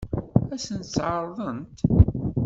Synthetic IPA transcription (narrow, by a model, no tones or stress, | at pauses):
æsənt̪t͡sʕəɾˤðˤənt̪